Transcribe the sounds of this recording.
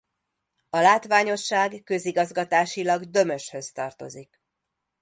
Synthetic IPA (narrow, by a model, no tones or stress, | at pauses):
ɒlaːt̪ʋaːɲo̞ʃːaːɡkø̞ziɡɒzɡɒt̪aːʃilɒɡd̪ø̞mø̞ʃhø̞st̪ɒrt̪o̞̰zik